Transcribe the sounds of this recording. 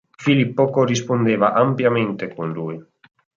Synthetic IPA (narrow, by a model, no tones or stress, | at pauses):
filipːokorispond̪eːvaʔampjament̪ekunluːj